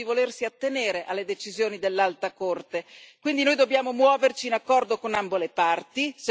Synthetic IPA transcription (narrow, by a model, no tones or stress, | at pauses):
ivolersiat̪ːeneːɾeʔalːed̪et͡ʃizjoːnid̪elːalt̪akort̪ekwind̪inojd̪obːjaːmomwɔːvert͡ʃiːnakːɔrd̪okonambolepart̪is